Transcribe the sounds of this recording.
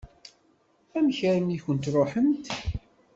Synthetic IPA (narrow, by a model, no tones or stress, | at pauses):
æmçəɾəmiçənt̪ɾˤoħəmt̪